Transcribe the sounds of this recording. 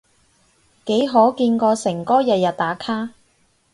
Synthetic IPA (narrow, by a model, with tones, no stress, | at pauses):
ke˨˥jɦɔː˨˥kiː˧nkɔː˧sɪ˨˩ŋkɔː˥jɐ˨t̚jɐ˨˩t̚t̪aː˨˥kʰaː˥